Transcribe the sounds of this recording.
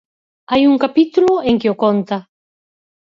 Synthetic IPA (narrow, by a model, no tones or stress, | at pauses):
ajuŋkapit̪uloeŋkeokont̪a